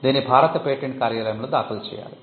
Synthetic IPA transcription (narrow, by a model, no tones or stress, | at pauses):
d̪iːnibʱaːɾɐt̪ɐpeːʈːeɳʈ̚kaːɾjɐlɐjmɭod̪aːkʰɐlt͡ʃḛja̰ːɾu